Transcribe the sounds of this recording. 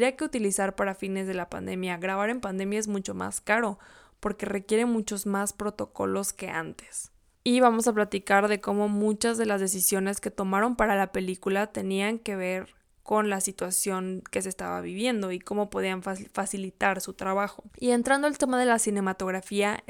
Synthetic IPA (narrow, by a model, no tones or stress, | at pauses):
ɾiake̞ut̪ilisaɾpaɾafine̞zð̞e̞lapa̰nd̪e̞mjaɣɾaβaɾe̞mpand̪e̞mjae̞zmut͡ʃo̞ma̰skaɾo̞ | po̞ɾke̞re̞kje̞ɾe̞mut͡ʃo̞zmaspɾo̞t̪o̞ko̞̰lo̞ske̞a̰nt̪e̥s | iβamo̞saplat̪ikaɾðe̞ko̞mo̞mũt͡ʃazðe̞lazðe̞sisjo̞ne̞ske̞t̪o̞maɾo̞mpaɾalape̞likulat̪e̞niaŋke̞β̞e̞ɾ | ko̞nlasit̪wasjo̞ŋke̞sest̪a̰βa̰βiβje̞nd̪o̞iko̞mo̞po̞ð̞ianfasilit̪aɾsut̪ɾaβaxo̞ie̞nt̪ɾand̪o̞elt̪e̞mað̞e̞lasine̞mat̪o̞ɣɾafia